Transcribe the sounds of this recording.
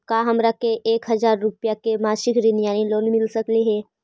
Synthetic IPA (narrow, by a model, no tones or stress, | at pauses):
kaɦɐmɾakeʔeːkɦɐzaːɾːʊpjakemaːʃɪkɾɪnjaːniloːnmɪlsəkleɦɛː